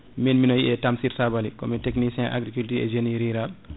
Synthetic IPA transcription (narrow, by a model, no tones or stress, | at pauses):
minminɔjiʔɛtamsiɾsabalikɔmiteknisɛ̃ʔa̰ɡɾikultiɛ̰d͡ʒeniɾiɾal